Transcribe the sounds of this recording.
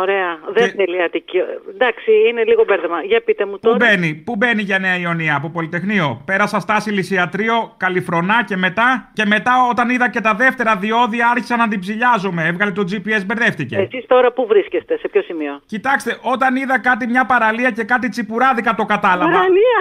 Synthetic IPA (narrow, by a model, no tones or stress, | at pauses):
oɾeɐðeθeliɐt̪icid̪ɐksiineliɣo̞beɾðemɐʝɐpit̪emut̪oube̞nipube̞niʝɐne̞ɐio̞niɐːpo̞po̞lit̪e̞xnio̞pe̞ɾɐsɐst̪ɐsilisiɐt̪ɾio̞kɐlifɾo̞nɐce̞me̞t̪ɐce̞me̞t̪ɐo̞t̪ɐniðɐce̞t̪ɐðe̞ft̪e̞ɾɐðio̞ðiɐɐɾçi̥sɐnɐnd̪ibziʎɐzume̞evɣɐlet̪o̞d͡zipie̞zbe̞ɾðe̞ft̪iceesist̪o̞ɾɐpuvɾiscest̪e̞sepço̞simio̞cit̪ɐkst̪e̞ʔo̞t̪ɐniðɐkɐt̪̬imɲɐpɐɾɐliɐce̞kɐt̪it͡sipuɾɐðikɐt̪o̞kɐt̪ɐlɐvɐliɐ